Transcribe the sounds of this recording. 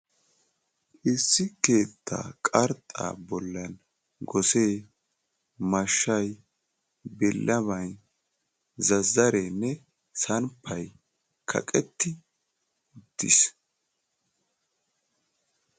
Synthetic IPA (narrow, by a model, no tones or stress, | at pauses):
ʔɪsːɪke̞ːt̪ʰːa̰ːkʼɐɾt̪ʼːa̰ːbɔlːɐn | ɡɔse̞ː | mɐʃːɐj | bɪlːʔɐβɐj | zɐzːɐɾeːnːɛ | sɐnpʰːɐj | kʰɐ̰kʼɛt̪ːɪ | ʊd̪̥ːɪ̰s